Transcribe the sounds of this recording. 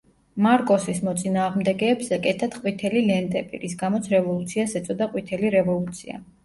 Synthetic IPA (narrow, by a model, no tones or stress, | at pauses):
maɾkʼɔsismɔt̪sʼinaːʁmd̪ɛɡɛːbzɛkʼɛt̪ʰat̪qʼwit̪ʰɛlilɛnt̪ʼɛbḭɾis̬ɡamɔt̪sʰɾɛvɔlˠut̪sʰiasɛt̪sʼɔd̪aqʼwit̪ʰɛliɾɛvɔlˠut̪sʰia̰